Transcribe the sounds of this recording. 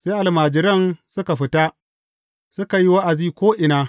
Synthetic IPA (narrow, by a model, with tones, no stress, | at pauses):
seː˦ʔa˨lmaː˨d͡ʒɪ˦ɾɐ˦nsʊ˦ka˨ɸɪ˦ta˦ | sʊ˦ka˨ji˦wa˦ʔa˨ziː˦kʷoː˦ʔɪ˨naː˦